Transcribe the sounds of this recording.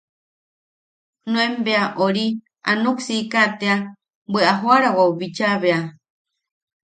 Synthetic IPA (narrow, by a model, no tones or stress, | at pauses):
nũembeaʔoɾi | a̰nuksikat̪ea | bweʔaɦoaɾawauβit͡ʃaβea